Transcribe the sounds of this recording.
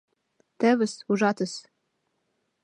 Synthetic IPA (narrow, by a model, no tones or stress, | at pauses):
t̪ɘ̆βɘ̆suʒɑt̪ə̆s